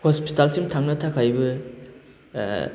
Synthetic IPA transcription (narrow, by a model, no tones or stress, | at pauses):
hospitalsiŋtʰaŋnɐtʰakʰajbɐ